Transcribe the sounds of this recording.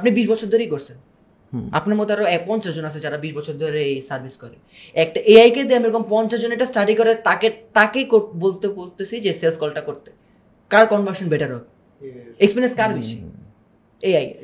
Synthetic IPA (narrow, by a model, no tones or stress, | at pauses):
apnibiʃbɔt͡ɕʰoɾd̪ʱoɾejkoɾt͡ɕʰen | a̰pnaɾmɔt̪oaɾoɛpɔnt͡ɕaʃd͡ʑonat͡ɕʰed͡ʑaɾabiʃbɔt͡ɕʰoɾd̪ʱoɾeesaɾbʱiskɔɾe | ɛk̚ʈaʔeajked̪iamiɾɔkompɔnt͡ɕaʃd͡ʑonɛk̚ʈasʈaɖikɔɾet̪aket̪akekobolt̪epoɾt̪et͡ɕʰid͡ʑeselskɔlʈakoɾt̪e̥ | kaɾkɔnbaɾʃonbeʈaɾo | ekspiɾienskaɾbiʃi | eaj